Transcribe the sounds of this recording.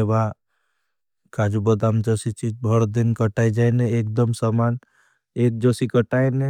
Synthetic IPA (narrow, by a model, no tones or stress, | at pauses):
eba | kad͡ʒubəd̪amd͡ʒɔsit͡ʃid͡ʒbʱɔɽd̪inkəʈajd͡ʒajneek̚d̪əmsaman | ek̚d͡ʒoːsikəʈaene